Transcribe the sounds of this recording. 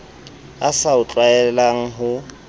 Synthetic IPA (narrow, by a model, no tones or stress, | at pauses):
asaʊt͡ɬʼwaɛlaŋ̩ɦʊ